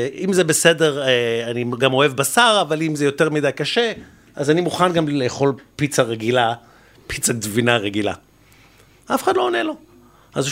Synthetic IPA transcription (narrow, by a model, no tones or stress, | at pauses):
imzebese̞de̞ʁeaniɡamo̞evbasaʁavalimzejo̞teʁmidajkaʃe̞ | azanimuχanɡamleːχo̞lpit͡saʁeɡila | pit͡sadvinaʁeɡila̰ | afeχadlo̞ːnelo̞ | az